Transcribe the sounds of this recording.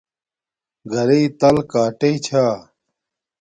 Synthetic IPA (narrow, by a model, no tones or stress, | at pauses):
ɡʱɐɾeit̪ɐlkaːʈeit͡ɕʰaː